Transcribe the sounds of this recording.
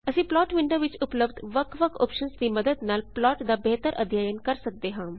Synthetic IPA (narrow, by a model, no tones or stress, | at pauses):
əsĩːplɔːʈʋɪɳɖoːʋɪt͡ʃʊpləbd̪ʋəkʋəkʰo̰ːpʃənsd̪iːməd̪əd̪naːlplɔːʈd̪aːbɛːt̪əɾʔə̰d̪ʱjaːjənkəɾsək̚d̪eːɦãː